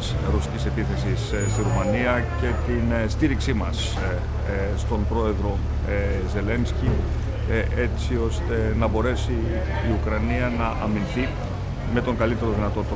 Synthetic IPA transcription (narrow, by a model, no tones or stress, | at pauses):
s | ɾusi̥cise̞piθe̞sis | st̪iɾumɐniɐce̞t̪inst̪iɾiksimɐs | st̪o̞nbɾo̞e̞ðɾo̞ | ze̞le̞nsci | ʔe̞t͡sio̞st̪e̞nɐbo̞ɾe̞siː | ukɾɐniɐnɐʔɐminθi | me̞t̪o̞ŋɡɐlit̪e̞ɾo̞ðinɐt̪o̞t̪